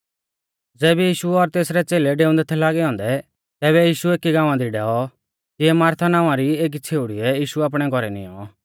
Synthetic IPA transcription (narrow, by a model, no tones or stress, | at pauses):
d͡zɛːbɛjiːʃuɔɾt̪eːsɾɛt͡seːlɛɖeːʊ̃nd̪ɛt̪ʰɛlaːɡɛɔ̃ːnd̪ɛ | t̪ɛːβɛjiːʃueːkiɡãːʋ̃ãd̪iɖɛːɔ | t̪ɪɛmaːɾt̪ʰanãːãɾieːk̬it͡sʰeːuɽiɛjiːʃuaːp̬ɽ̃ɛɡʱɔɾɛnḭɔ̰ɔ